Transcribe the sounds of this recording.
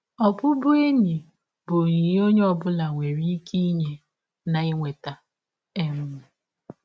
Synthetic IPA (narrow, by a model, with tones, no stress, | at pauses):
ɔ˨pʊ˦bʊ˦e˦ɲi˨ | bʊ˨ni˨jo˦ɲe˦ɔ˨bʊ˦la˨ŋʷe˨ɾi˦ki˦ɲe˨ | na˨ɪ˦ŋʷe˨ta˨ | e˦mʊ˦mʊ˨